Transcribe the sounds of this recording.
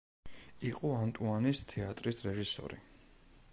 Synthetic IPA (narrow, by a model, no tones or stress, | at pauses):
iqʼɔant̪ʼuanist̪ʰɛat̪ʼɾisɾɛʒisɔ̰ɾḭ